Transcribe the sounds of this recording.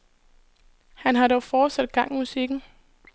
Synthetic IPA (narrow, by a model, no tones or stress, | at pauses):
hænɦɑ̈ɾɒʊfɒ̥ːsæd̥ɡ̥ɑ̈ŋ̰musiɡ̥n̩